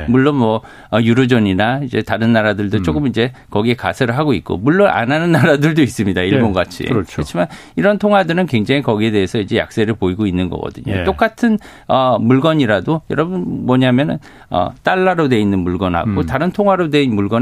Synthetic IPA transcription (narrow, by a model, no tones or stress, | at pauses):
muɭːonmʌ | ʌjuɾod͡ʑʌɲinaid͡ʑe̞taɾɯnːaɾadɯɭdodt͡ɕ͈ok͈ɯmid͡ʑe̞kʌɡie̞ka̰sʰeɾɯɭɦaɡoik̚k͈o̰muɭːonʔa̰nɦanɯnːaɾadɯɭdois͈ɯmɲidaiɭbonɡat͡ɕʰḭɾkt͡ɕɾʌt͡ɕʰiman | iɾʌntʰoŋwadɯɾɯnkwe̞ŋd͡ʑaŋikʌɡie̞de̞ːsʰʌid͡ʑe̞ja̰k̚s͈eɾɯɭpoiɡoinːɯnɡʌ̰ɡʌ̰dɯɲo̰tt͈ok͈atʰɯn | ʌmuɭɡʌɲiɾadojʌɾʌbunmʌɲamjʌnɯ̰n | ʌ̰t͈aɭːaɾodwe̞inːɯnmuɭɡʌnha̰ɡotaɾɯntʰoŋɦwaɾodwe̞inmuɭɡʌn